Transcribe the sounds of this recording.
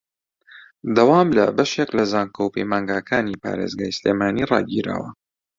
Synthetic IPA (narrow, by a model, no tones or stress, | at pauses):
d̪ɐwaːmlɐ̰bɐʃeklɐzaːŋkəwpejmaːŋɡaːkʰaːnipa̰ːɾeːzɡaːjsleːmaːnirɑ̰ːɡiɾa̰ːwɐ